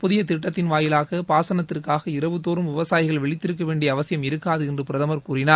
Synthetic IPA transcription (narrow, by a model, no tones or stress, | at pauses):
pʊðɪjɐt̪ɪʈːɐt̪ːɪnʋaːjɪlaːɣɐpaːsɐnɐt̪ːɪrkaːɣɐɪɾɐʋɯt̪ːoːɾɯmʋɪʋɐsaːjɪɣɐɭʋɛɭɪt̪ːɪɾɯkːɐʋeːɳɖɪjɐːʋɐsɪjɐmɪɾɯkːaːðɯɛndrɯpɪɾɐðɐmɐɾkuːrɪnaːɾ